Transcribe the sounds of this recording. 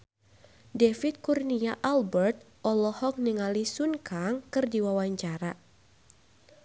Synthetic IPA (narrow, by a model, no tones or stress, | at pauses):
defit̪̚kurniaʔalbɛrt̪̚ | ɔlɔhɔk̚niŋalisunkaŋkɨrdiwawaɲt͡ʃaɾa